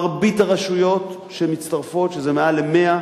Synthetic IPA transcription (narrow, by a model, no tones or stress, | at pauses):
ʁbitaʁaʃujo̞t | ʃemit͡staʁfo̞tʃezemealeme̞a